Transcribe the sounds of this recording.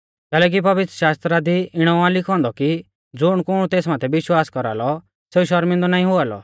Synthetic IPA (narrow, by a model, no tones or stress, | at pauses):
kɛːlɛːk̬ipɐʋɪt̪ɾəʃaːst̪ɾad̪iɪɽ̃ɔãlɪkʰɔ̃ːnd̪ɔki | d͡zʊɽ̃kʊɽ̃ut̪eːsmaːt̪ʰɛbɪʃwaːskɔɾa̰ːlɔ | seːuʃɐɾmɪ̃nd̪ɔnaːĩɦʊaːlɔ̰